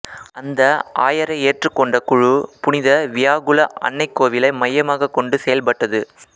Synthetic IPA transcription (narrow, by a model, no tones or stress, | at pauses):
ɐnd̪ɐʔaːjɐɾɐɪeːʈrɯkːɔɳɖɐkʊɻupʊnɪðɐʋɪjaːɣʊlɐʔɐ̰ɳːɐɪkːoːʋɪlɐɪmɐjːɐmaːɣɐkːɔɳɖɯsɛjɐlpɐʈːɐðɯ